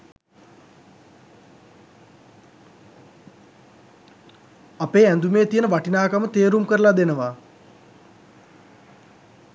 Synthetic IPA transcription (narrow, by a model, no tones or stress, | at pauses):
apeːænd̪umeːt̪ijənəʋaʈinaːkamət̪eːɾumkəɾəlad̪enəʋa